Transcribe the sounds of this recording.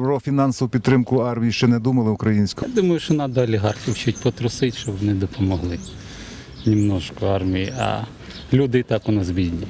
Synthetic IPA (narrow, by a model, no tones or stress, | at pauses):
pɾɔfʲinɑnsɔʋʊpʲid̪t̪ːɾɪmkʊɑrmʲijiʃt͡ʃɛnɛd̪umɐlˠɪʊkɾɐjinʲsʲkɔd̪umɐjʊʃɔnɑd̪ɔɐlʲiɦɑrxʲiwt͡ʃutʲpɔt̪ɾɔsɪtʲʃt͡ʃɔbʋɔnɪd̪ɔpʰɔmɔɦlˠɪ | nʲimnɔʃkɔɑrmʲijiɐ̰ | lʲud̪ɪt̪ɑkɔnɐzbʲidʲnʲi